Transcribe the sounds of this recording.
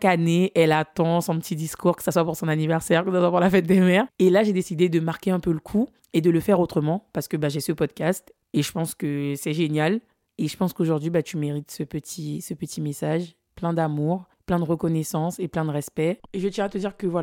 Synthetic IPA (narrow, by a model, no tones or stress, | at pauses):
akaneʔɛlat̪ɑ̃sɔ̃pət̪ʰid̪iskʰuʁkə̥saswapuʁsɔ̃nanivɛʁsɛʁkəsaswapuʁlafɛt̪̚d̪emɛʁelaʒed̪esid̪ed̪əmaʁkʲeɛ̃pøləkʰu | ed̪ələfɛʁot̪χəmɑ̃paʁsə̥kəbaʒesəpɔd̪kʲast̪ | eʒəpɑ̃skəsɛʒenjal | eʒəpɑ̃skoʒuʁd̪ɥibat̪ymeʁit̪səpət̪ʰisəpət̪ʰimesaʒ | plɛ̃d̪amuʁplɛ̃d̪əʁəkɔnɛsɑ̃seplɛ̃d̪əʁɛspɛeʒət̪jɛ̃at̪əd̪iʁkəvwa